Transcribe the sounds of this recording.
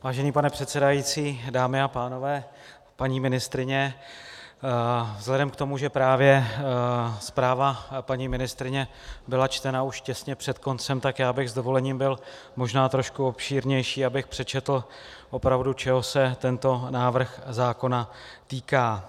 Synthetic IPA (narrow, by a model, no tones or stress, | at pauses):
vaːʒɛniːpanɛpr̝̥ɛt̪sɛdajiːt͡siːdaːmɪapaːno̞vɛː | paɲiːmɪnɪst̪ɾɪɲɛ | vzlɛdɛmkt̪o̞muʒɛpɾaːvjɛ | spɾaːvapaɲiːmɪnɪst̪ɾɪɲɛ | bɪlat͡ʃt̪ɛnauʃcɛsɲɛpr̥ɛt̪ko̞nt͡sɛmt̪akjaːbɪɣzd̪o̞vo̞lɛɲiːmbɪl | mo̞ʒnaːt̪ɾo̞ʃkuo̞pʃiːɾɲɛjʃiːabɪxpr̝̥ɛt͡ʃɛt̪l̩ | ʔo̞pɾavdut͡ʃɛɦo̞sɛt̪ɛnt̪o̞naːvr̩xzaːko̞na | t̪iːkaː